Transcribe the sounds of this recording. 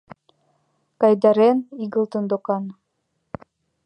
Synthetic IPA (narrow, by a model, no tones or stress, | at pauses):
kɑjd̪ɑɾeniɣɤ̆lˠt̪ɤ̆nd̪okɑn